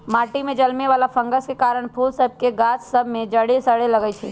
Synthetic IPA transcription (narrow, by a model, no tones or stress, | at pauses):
maʈimẽd͡ʒəlmeʋalapʰə̃ŋɡəskekaɾəɳ̃pʰulsəb̚ʱkeɡat͡ʃsəbʱmẽd͡ʒəɽesəɽeləɡət͡ʃʰɛ̰